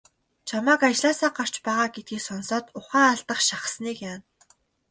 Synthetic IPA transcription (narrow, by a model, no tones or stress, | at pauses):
t͡ɕʰamaːkat͡ɕɮaːsaːɢar̥t͡ɕpæːʁaːɡet̪̚ɡiːksɔnsɔːt̪ʊχæːaɮt̪ə̆χʃaχə̥̆sniːkjaːn